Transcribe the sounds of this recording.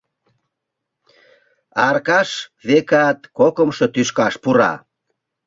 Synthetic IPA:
ɑrkɑʃβekɑt̪kokəmʃɤt̪yʃkɑʃpuɾɑ̰

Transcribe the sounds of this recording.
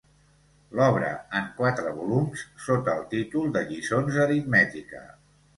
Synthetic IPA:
lɔβɾə̰əŋkwat̪ɾəβulumssot̪əːlˠt̪it̪ulˠd̪əʎisonzəɾit̪mɛt̪ikə̰

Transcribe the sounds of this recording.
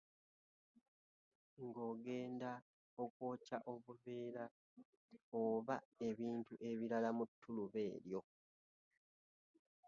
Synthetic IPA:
ŋɡo̞ːɡe̞ːnda | o̞kwoːcaʔo̞βuβeːɾa | oβae̞βiːntuʔe̞βiɾalamutʰːuluβe̞ːɾjo̞

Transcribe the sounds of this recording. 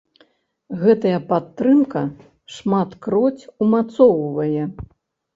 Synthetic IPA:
ɣɛt̪ɐjɐpat̪ːɾɨmkɐ | ʂmat̪kɾɔt͡sʲumat̪sɔwvɐjɛ

